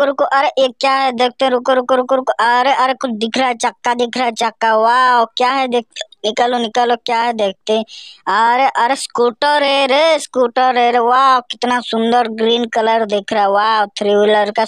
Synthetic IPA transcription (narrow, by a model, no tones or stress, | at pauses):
kəɾkoʔɐɾeʔekjaɦɛd̪eːk̚ʰt̪ẽɾʊkəɾkəɾkʊɾkoʔəɾeəɾekʊt͡ʃʰd̪ɪkʰɾaɦɛt͡ʃəkːad̪ɪkʰɾaɛt͡ʃəkːaʋawkjaɦɛd̪eːk̚t̪enɪkəlonɪkəlokjaɦɛd̪eːk̚ʰt̪ẽəɾeʔəɾeskuːʈəɾeɾeskuːʈəɾeɾeʋaːkɪt̪nasʊ̃nd̪əɾɡɾiːnkələɾd̪eːkʰɾaɦɛwawt̪ʰɾiʋɪləɾka